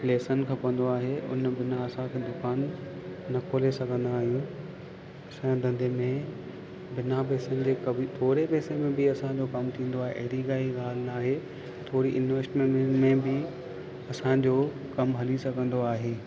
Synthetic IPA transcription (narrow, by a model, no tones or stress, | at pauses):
pleːsənkʰẽːpɐʋə̃nd̪oaːɦeʊ̰nbɪnaɐsãkʰẽːd̪ʊkaːnː | ɐkʰoːlesɐɡʱə̃nd̪aːɦijũ | sɛ̃d̪ɐ̃nd̪emẽ | bɪnapeːsənɪ̆d͡ʑeːkɐbt̪ʰoːɾepeːsemẽbɪɐsãd͡ʑokɐmt̪ʰĩːnd̪oaːɦḛʔɐ̰ɦɪɾiɡaːiɡaːl̤ɪnaːɦe | t̪ʰoːɾiʔɪnʋəsʈmẽmẽbɪ | ɐsãd͡ʑo | kɐmɦɐlisɐɡʱə̃nd̪oaːɦeː